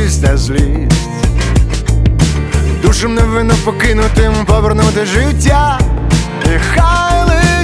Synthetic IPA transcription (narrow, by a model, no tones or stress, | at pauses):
sʲt̪ɛzlʲi | d̪uʃɪmnɔʋɪnːɔpɔkɪnʊt̪ɪmpɔʋeɾnut̪ɪʒɪwtʲːa | ixajlˠɪ